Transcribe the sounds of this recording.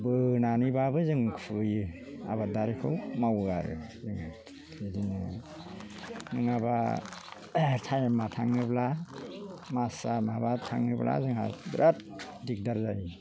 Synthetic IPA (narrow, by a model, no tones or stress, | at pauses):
bɯnanibabɯzɯŋkʰɯjɯ | a̰badaɾikʰɯwmawaɾɯ̰zɯŋa | idinɯ | nɯŋaba̰ | tʰajamatʰaŋɯbla | masamabatʰaŋɯbla̰zɯŋa̰bɾʔat̚ | dik̚daɾzaji